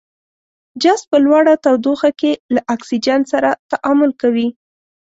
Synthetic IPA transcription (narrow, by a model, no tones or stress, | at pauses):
d͡ʒas̚pəlwaɽat̪awd̪oxakelaʔaksid͡ʒant̪saɾat̪aʔamʊlkawi